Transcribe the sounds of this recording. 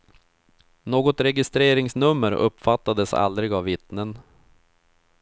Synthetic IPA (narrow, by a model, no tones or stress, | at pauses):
noːɡɔt̪ɾɛɡɪst̪ɾeːɾɪŋsnɵmːəɾɵ̰pːfat̪ːad̪əsa̰ld̪ɾɪɡavːɪt̪nən